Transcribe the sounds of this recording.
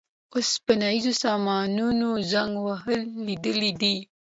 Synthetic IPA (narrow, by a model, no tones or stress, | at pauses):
ospənaizosɑmɑnunozaŋɡwaɦəlːid̪əlid̪i